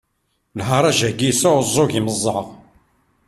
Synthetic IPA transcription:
lɦəɾˤæʒæɡisʊzˤːoʝiməzˤːɑʁ

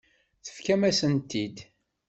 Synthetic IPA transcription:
θə̥fkæmæsənt̪ːid̪

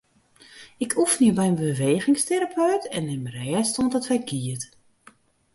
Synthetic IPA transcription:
ɪkʰufniəbɛjənbəʋeːɣɪŋsteɾapʰœɥtɛnɪmrɛːstontətʋɛjɡiət

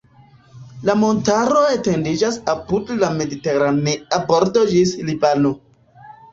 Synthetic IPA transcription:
lamo̞ntaɾo̞ete̞ndid͡ʒasapudlame̞diteɾaneaboɾtod͡ʒislibano̞

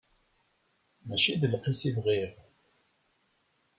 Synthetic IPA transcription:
mæʃiðəlqisivʁiʁ

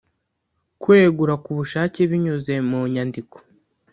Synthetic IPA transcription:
kwe̞ːɡuɾakuβuʃaːceβiɲuze̞muɲandikʰo̥

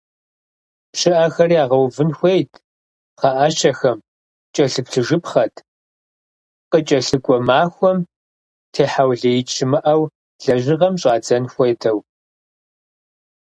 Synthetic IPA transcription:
pɕɪʔɐxɐriaːʁɐwvɨnxʷejtʰ | qɐʔaɕɐxɐm | t͡ʃʼɐɬɨpɬɨʒɨpχɐtʰ | qət͡ʃʼɐɬɨkʷʼɔmaːxʷɔm | tʰeːħawɮɐjɪt͡ʃʰʼɪmɨʔɐw | ɮɐʑɪʁɐmɕʼaːd͡zɐnxʷejtʰɐw

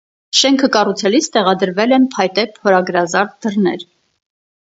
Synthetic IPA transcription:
ʃɛŋkʰəkɑrut͡sʰɛlit͡sʰt̪ɛʁɑd̪əɾvɛlɛnpʰɑjt̪ɛpʰhɔɾɑɡɾɑzɑɾt̪̚d̪ərnɛ̰ɾ

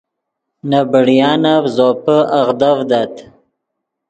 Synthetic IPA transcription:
nabəɽijɑːnavzopəaɣd̪avd̪at̪

